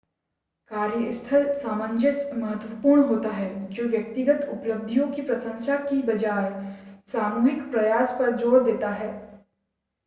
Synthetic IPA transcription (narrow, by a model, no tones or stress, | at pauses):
kaːɾjəɪst̪ʰəlsaːmə̃ɲd͡ʒɪsmɐɦət̪wəpuːɾɳɦoːt̪aɦɛːd͡ʒoːʋjɐk̚t̪ɪɡət̪ʊpləb̚d̪ʱijõkipɾɐsə̃ŋʃakibɐd͡ʒaːesaːmuːɦɪkpɾɐjaːspɐɾd͡ʒoːɽd̪eːt̪aɦɛː